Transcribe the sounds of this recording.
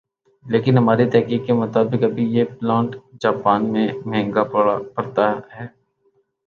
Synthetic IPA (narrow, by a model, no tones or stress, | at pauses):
leːkɪnɦɐmaːɾit̪ɛɦkiːkːemʊt̪aːbɪkɐbʱijeplãːɳʈd͡ʒaːpaːnmẽmɛ̃ːŋɡapɐɽt̪aɦɛː